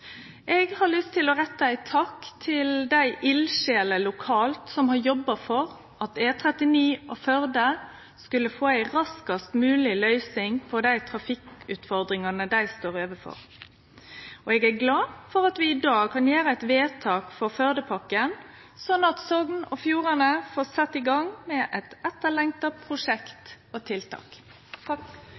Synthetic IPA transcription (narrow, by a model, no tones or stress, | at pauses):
ʔɛːɡhɑlʏst̪ʰːɪlɔʁɛt̪ːəæɪt̪ʰɑkːt̪ʰɪld̪æɪʔɪlʃeːləlʊkʰɑːlt̪sɔmhɑɾjɔbːɑfɔʁ | ɑt̪eːt̪ʰɾɛt̪ɪniːɔfœɾd̪ə | skʉlːəfoːæɪɾɑskɑst̪mʉːlɪlœʏsɪŋpʰɔd̪æɪt̪ʰɾɑfɪkʉːt̪fɔʁd̪ɾɪŋɑnəd̪æɪst̪oːɾøːʋəfɔ̰ɾ | ɔɛːɡæɡlɑːfɔɾɑt̪ʋɪɪd̪ɑːɡkʰɑnjeːɾəæɪt̪ʋeːt̪ʰɑːkfɔʁfœɾd̪əpʰɑkːən | sɔnːɑt̪sɔɡnɔfjuːɾɑnəfoːsɛt̪ːɪɡɑŋmɛʔɛt̪ɛt̪ːəlɛŋt̪ɑpʰɾʊʂɛkt̪ | ot̪ʰɪlt̪ʰɑ̰ːk